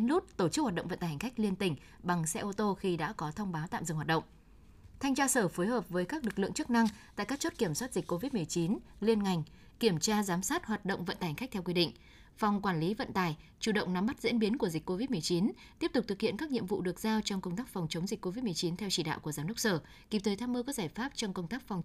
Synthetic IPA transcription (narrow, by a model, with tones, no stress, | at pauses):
nlu˦˥t̚t̪o˧˩t͡ɕɨ˦˥k̚hwaː˨˩ɗ̰ə˧˨wŋ͡mvə˧˨nt̪aː˨˩hŋ̟xa˦˥k̟̚li˧ənt̪ï˧˩ŋ̟ | ɓa˨˩ŋsɛ̰˧˥ʔo˧t̪o˧xi˧ɗa̰ː˧˥kɔ˨˦t̪ʰə˧wŋ͡mɓaː˨˦wt̪a̰ː˧˨mzɨ̰˧˨ŋɦwa˨˩t̚ɗə̰˧˨wŋ͡m | t̪ʰa˧jŋt͡ɕaː˧səː˧˩fo˨˦jhəː˨˩p̚vəː˨˦jkaː˦˥k̚lɨ˨˩k̚lɨ̰˧˨əŋt͡ɕɨ˦˥k̚na˧ŋt̪a̰ː˧˨jkaː˦˥k̚t͡ɕo˦˥t̚ki˧˩əmswa˦˥t̚zi˨˩k̟̚ʲko˧vi˦˥t̚mɨ˨˩əjt͡ɕi˨˦nli˧ənŋa˨˩jŋ̟ | ki˧˩əmt͡ɕaː˧zaː˨˦msaː˦˥t̚hwaː˨˩t̚ɗo̰˧˨wŋ͡mvə̰˧˨ntaː˨˩h̟xa˦˥k̚t̪ʰɛ˧wkwi˧ɗḭ̈˧˨ŋ̟ | fa˨˩wŋ͡mkwaː˧˩nli˨˦və̰˧˨nt̪aː˧˩jt͡ɕu˧˩ɗə̰˧˨wŋ͡mna˨˧˦mːa˦˥t̚zḭ˧˥ənɓi˨˦ənku˧˩əzï˨˩k̟ko˧vi˦˥t̚mɨ˨˩əjt͡ɕi˨˦n | t̪i˦˥əp̚t̪ʊ˨˩k͡p̚t̪ɨ˨˩k̚hḭ˧˨ənkaː˦˥k̚ɲḭ˧əmvṵ˧˨ɗɨ˨˩ək̚zaː˧wt͡ɕɔ˧wŋ͡mkə˧wŋ͡mt̪aː˦˥k̚fa˨˩wŋ͡mt͡ɕə˨˦ŋ͡mzï˨˩k̟ko˧vi˦˥t̚mɨ˨˩əjt͡ɕi˨˦nt̪ʰɛ˧wt͡ɕi˧˩ɗa̰ː˧˨wku˧˩əzaː˨˦nɨ˦˥ək̚səː˧˩ | ki˨˩p̚t̪əː˨˦jt̪ʰaː˧mʔəː˧kɔː˨˥k̚zaː˧˩jfaː˦˥p̚t͡ɕɔ˧wŋ͡mkə˧wŋ͡mt̪aː˦˥k̚fwŋ͡m